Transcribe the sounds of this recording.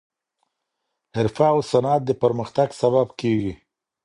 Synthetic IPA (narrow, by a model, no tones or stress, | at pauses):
hɪɾfaːwsanat̪̚d̪əpəɾməxt̪aɡsaβabkeɡi